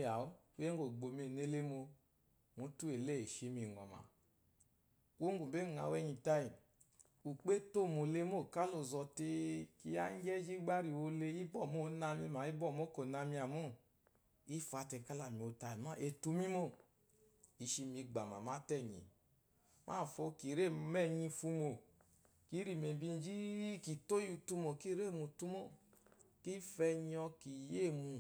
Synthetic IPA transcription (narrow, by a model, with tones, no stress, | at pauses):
a˨o˦ | u˦jɛ˦ŋ˦ɡo˨ɡ͡bo˧˨me˧˨ne˦le˦mo˧ | mu˨˧˦tu˦e˨le˦˨e˨ʃe˨˧mi˧ŋɔ̰˨ma̰˨ | ko˦ŋ˦ɡu˨be˦˨ŋa̰˨wɛ˧ɲi˨ta˧i˨ | u˨k͡pe˦to˦˨mo˧˨le˦mo˦˨ka˦lo˧˨zɔ˧te˧ki˧˦ja̰˦ɲ˦d͡ʒɛ˦d͡ʒi˦ɡ͡ba˦ɾi˧˨wo˧le˧i˦bɔ˦˨mo˦˨˦na˧mi˧ma˨i˦bɔ˦˨mo˦ko˨na˧mi˧a˨mo˦ | i˦fa˧tɛ˧˨˧ka˦la˨mi˨o˧ta˧i˨ma˦ʔe˧tu˧˦mi˦mo˦˨ | i˧˦ʃi˧mi˧ɡ͡ba˨ma̰˨ma˦tɛ˦˨ɲḭ˨ | mʔa̰˦˨fo˧ki˨ɾe˦˨˧mɛ˦˨ɲi˧fu˧mo˨ | ki˦ɾi˨me˨bi˧n˦d͡ʒi˦ki˨to˦ju˧tu˧mo˨ki˦ɾe˦˨mu˨tu˦mo˦˨ki˦fɛ˧ɲi˧ɔ˧ki˨je˦˨mu˧